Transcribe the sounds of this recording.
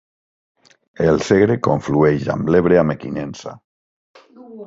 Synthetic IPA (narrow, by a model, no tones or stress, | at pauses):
elseɣɾekoɱflueʒa̰mbleβɾeamekinensa̰